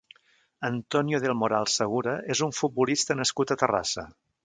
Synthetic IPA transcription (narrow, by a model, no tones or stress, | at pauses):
ənt̪ɔnjoðelˠmoɾalˠsəɣ̞uɾəʔezuɱfut̪̚bulist̪ənəskut̪ət̪əra̰sə̰